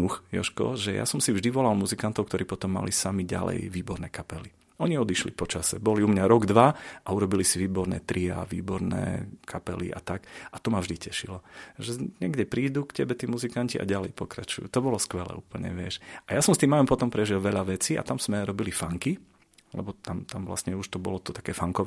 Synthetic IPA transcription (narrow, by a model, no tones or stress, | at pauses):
uxjɔ̰ʃkɔ̰ʒɛja̰sɔmsivʒd̪iʋɔlalmuzikant̪ɔʊkt̪ɔɾiːpɔt̪ɔmːa̰lḭsamiɟa̰lɛ̰jʋiːbɔɾnɛkapɛli | ʔɔɲiɔd̪iʃlipɔt͡ʃasɛbɔliumɲaɾɔɡd̪ʋaʔauɾɔbilisiʋiːbɔɾnɛ̰t̪ɾia̰ʋḭːbɔɾnɛ̰kʰapɛ̰lḭʔa̰t̪akʔat̪ɔmavʒd̪icɛʃilɔʒɛɲɛɡɟɛpɾiːd̪ukcɛbɛt̪iːmuzikanciʔa̰ɟalɛjpɔkɾat͡ʃujṵt̪ɔbɔlɔskʋɛlɛ̰ːʔuːpl̩ɲɛ̰ʋɪɛʃʔajasɔmst̪iːmːajɔmpɔt̪ɔmpɾɛʒilʋɛʎaʋɛt͡siːa̰t̪amz̥mɛɾɔbilifaŋki | lɛ̰bɔt̪amt̪amʋla̰sɲɛuʃt̪ɔbɔlɔt̪ɔt̪ḁkɛːfaŋkɔ